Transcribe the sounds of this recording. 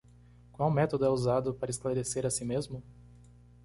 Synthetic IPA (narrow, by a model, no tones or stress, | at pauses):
kwawmɛt̪od̪ʊɛuzad̪ʊpaɾɐesklaɾeseɾasĩmezmʊ